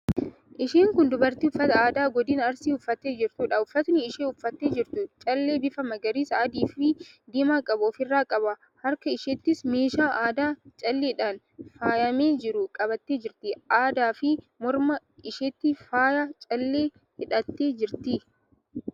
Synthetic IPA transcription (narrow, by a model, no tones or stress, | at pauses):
ʔɪʃeːŋkʊnd̪ʊbɐɾt̪iːʊfːɐt̪ɐaːd̪aːɡɔd̪iːnɐɾsiːʊfːɐt̪ːeːd͡ʒɪɾt̪uːᶑɐʊfːɐt̪nɪːʃeːʊfːɐt̪ːe̞ːd͡ʒɪɾt̪ʊt͡ʃʼɐlːe̞ːbɪfɐmɐɡɐɾiːsaːd̪iːfɪd̪iːmaːkʼɐboːfɪrːaːkʼɐbɐ | hɐɾkɐɪʃɛt̪ːɪsmeːʃaːʔaːd̪aːt͡ʃʼɐlːeːɪᶑaːn | faːjɐme̞ːd͡ʒɪɾʊkʼɐbɐt̪ːeːd͡ʒɪɾt̪ɪʔaːd̪aːfɪ | mɔɾmɐ | ɪʃɛt̪ːɪfaːjat͡ʃʼɐlːe̞ː | hɪᶑɐt̪ːe̞ːd͡ʒɪɾt̪i